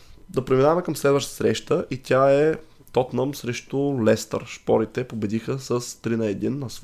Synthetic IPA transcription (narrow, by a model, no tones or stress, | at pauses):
d̪ɐpɾɛminavɐmɛkəmslɛd̪vəʃt̪t̪ə̥sɾɛʃt̪əʔit̪ʲaɛ | t̪ɔt̪nəmsɾɛʃt̪ʊlɛst̪ə̰ɾʃpɔɾit̪ɛpobɛd̪ixəsəst̪ɾinəɛd̪inːɐs